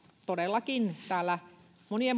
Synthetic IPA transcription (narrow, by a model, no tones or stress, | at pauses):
t̪odelːɑkint̪æːlːæ | moniem